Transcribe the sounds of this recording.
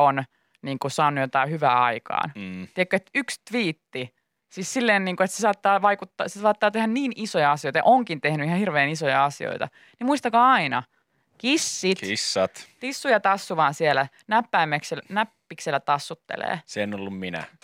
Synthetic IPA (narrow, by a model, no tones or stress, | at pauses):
on | niːŋkusɑːnːujot̪ɑˑihyʋæːɑikɑ̰ːnːt̪iekːøet̪ykst̪ʋiːt̪ːi | siːssilːeːnniːŋkuet̪sesɑːt̪ːɑːʋɑikut̪ːɑsesɑːt̪ːɑːt̪ehænniːnisojɑɑsijojt̪ɑjɑ̰ʔoŋkint̪ehnyihɑhirʋeːnisojɑɑsio̰it̪ɑ̰ | nimuist̪ɑkɑːɑinɑ | kisːit̪isːɑt̪t̪isːujɑt̪ɑsːuʋɑːnsielæ | næpːæːmːækselnæpːikselːæt̪ɑsːut̪ːḛlḛːseenolːumminæ̰